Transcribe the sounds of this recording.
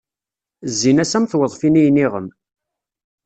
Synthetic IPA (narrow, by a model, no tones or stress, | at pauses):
zːinæsæmθwəðˤfinijniʁəm